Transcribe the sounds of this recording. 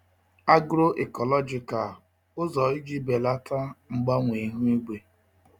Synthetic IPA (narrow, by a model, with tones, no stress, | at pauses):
a˦ɡɾo˦ʔe˨kɔ˨lɔ˦d͡ʒi˨ka˨l | ʊ˦zɔ˨i˦d͡ʒi˦be˨la˦tʰa˦ŋ͡m̩˨ɡ͡ba˦ŋʷi˨˦ɦu˦i˦ɡ͡be˨